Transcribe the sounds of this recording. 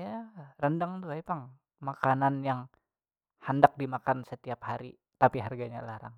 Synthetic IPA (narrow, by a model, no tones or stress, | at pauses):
jarəndaŋt̪uajpaŋ | makananjaŋ | handak̚dimakansət̪iaphaɾḭ | t̪apiɦarɡaɲa̰laɾa̰ŋ